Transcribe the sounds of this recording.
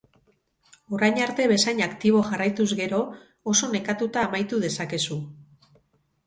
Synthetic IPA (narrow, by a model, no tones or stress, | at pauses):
o̞ɾajɲaɾt̪e̞βe̞sajɲakt̪iβ̞o̞ʝarajt̪uzɣe̞ɾo̞ː | so̞ne̞kat̪ut̪aːmajt̪uðe̞sake̞su